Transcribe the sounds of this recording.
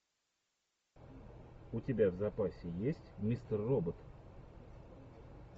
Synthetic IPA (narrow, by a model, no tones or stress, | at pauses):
ʊtʲɪbʲavzɐpasʲɪjesʲtʲmʲist̪ərːobət̪